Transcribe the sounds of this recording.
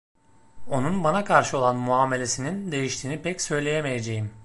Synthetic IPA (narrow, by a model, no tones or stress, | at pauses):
o̞nunbanakʰaɾʃɯo̞lˠanmuaːme̞lʲe̞sinind̪e̞jiʃt̪ʰiːnipʰɛcsø̞jlʲe̞jemejed͡ʒe̞jim